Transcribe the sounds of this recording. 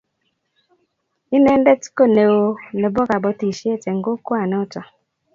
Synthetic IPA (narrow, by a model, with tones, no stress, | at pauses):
i˦ne˦n̩˦de˦ti̥˦ko˦ne˨wo˨˦ne˨bɔ˦ka˨bɔ˨ti˨ʃi˦e˦˨te˨ŋ̩˨ɡo˦ku˦a˨ne˨˦ʊ˦tɔ˨